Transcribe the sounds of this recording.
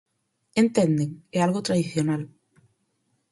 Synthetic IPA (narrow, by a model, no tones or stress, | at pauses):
ent̪end̪eŋɛalɣot̪ɾaðiθjonal